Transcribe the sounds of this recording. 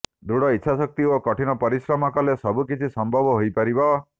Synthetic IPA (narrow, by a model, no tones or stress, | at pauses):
d̪uɽɔitːʃʰasɔk̚t̪iokɔʈʰinɔpɔɾisɾɔmakɔlesɔbukit͡ʃʰisɔmbʱɔbɔɦojpaɾibɔ